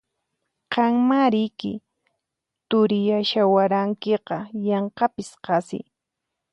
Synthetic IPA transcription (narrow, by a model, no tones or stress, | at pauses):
qɑŋmaɾɪjkɪ̰ | t̪ʊɾɪjaʃawaɾaŋkeqɑjɑɴqɑpɪsqɑsɪ̰j